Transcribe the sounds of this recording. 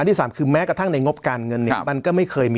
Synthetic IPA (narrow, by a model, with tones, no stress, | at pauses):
a˧nt̪i˥˩saː˩˦mkʰɯː˧mɛː˦˥kɾa˧t̪ʰa˥˩ŋna˧jŋo˦˥p̚kaː˧nŋɤ˧nːi˥˩˧ma˧nkɔː˥˩ma˥˩jkʰɤː˧jmiː˧